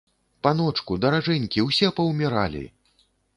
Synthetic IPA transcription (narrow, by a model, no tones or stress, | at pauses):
panɔt͡ʂkud̪ɐɾaʐɛnʲkʲiwsʲɛpɐwmʲɛɾa̰lʲḭ